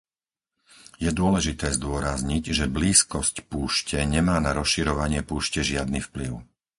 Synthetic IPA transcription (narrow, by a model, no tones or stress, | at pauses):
jɛd̪ʊɔlɛʒit̪ɛːzd̪ʊɔɾazɲiɟʒɛbliːskɔscpuːʃcɛɲɛmaːnaɾɔsʃiɾɔʋaɲɪɛpuːʃcɛʒɪad̪niːfpliʊ